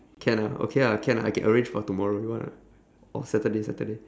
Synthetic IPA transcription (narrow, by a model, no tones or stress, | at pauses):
kʰɛ̃nao̰kʰeakʰɛ̃na̰a̰jkɛ̰̃nʔəɹẽnd͡ʒfɔtumɔɹojiwɔ̃na̰ | ɔ̰lsɛtədesɛ̰təde